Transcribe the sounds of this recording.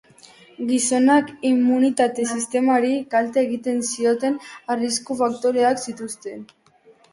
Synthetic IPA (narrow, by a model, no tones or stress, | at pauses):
ɡiso̞nakimːunit̪at̪e̞sist̪e̞maɾikalt̪eːɣit̪e̞nsio̞t̪e̞nariskufak̚t̪oɾe̞aksit̪ust̪e̞n